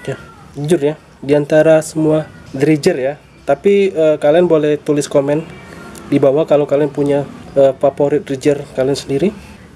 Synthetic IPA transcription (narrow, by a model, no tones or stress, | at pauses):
ja | d͡ʒʊrja | diant̪aɾasəmuadɾid͡ʒərja | t̪apiəkalianbolɛht̪ulɪskomɛndibawakalokalianpuɲaəpapoɾɪt̪̚d̪ɾid͡ʒərkaliansəndiɾi